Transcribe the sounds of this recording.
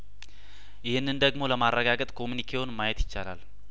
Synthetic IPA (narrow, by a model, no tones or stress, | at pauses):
jɪhɨnːɨnd̪əɡmo̞ləmarːəɡaɡət̪ʼkʰo̞munikʰewonmajɛt̪jɪt͡ʃːala̰l